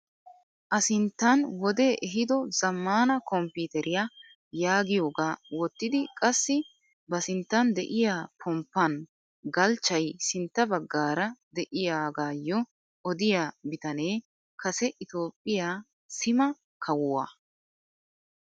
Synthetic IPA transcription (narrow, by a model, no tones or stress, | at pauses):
ʔɐsɪnt̪ːɐnwɔd̪eːʔɛɦɪd̪ɔzɐmːaːnɐkɔmpiːt̪ɛɾɪja | jaːɡɪjoːɡaːwɔt̪ːɪd̪ɪkʼɐsːɪ | bɐsɪnt̪ːɐnd̪ɛʔɪjaːpʰɔmpːɐn | ɡɐlt͡ʃːɐjsɪnt̪ːɐbɐɡːaːɾɐd̪ɛʔɪjaːɡaːjːɔ | ɔd̪ɪjaːbɪt̪ɐne̞ː | kɐsɛʔɪt̪o̞ːpʼːɪjaː | sɪmɐ | kʰɐwʊwa̰ː